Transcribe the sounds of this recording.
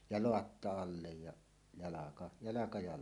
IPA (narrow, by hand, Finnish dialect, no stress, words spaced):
jɑ loɑtːɑ ɑlːej jɑ jɑlɑkɑ jɑlɑkɑ jɑ